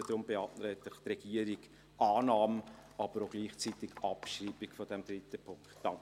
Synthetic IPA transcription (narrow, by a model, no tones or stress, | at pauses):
əd̥ɾʊmbeɑːtnɾɛt̪lɪχt̪rɛɡ̥iəɾiɡ | ʔɑːnɑːmʔɑb̥əɾoʊɡ̥liːχt͡sit̪ɪɡ̥ɑpʃɾiːbɪɡ̥fɔd̥ɛmd̥̪ɾitəpʰʊŋktd̥ɑŋ